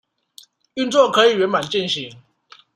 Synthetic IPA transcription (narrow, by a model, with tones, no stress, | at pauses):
y˥˧nt͡swɔ˥˩kʰɤ˧˦i˨˩ɥɛ˧˥nma˨˩nt͡ɕi˥˩nɕi˨˦ŋ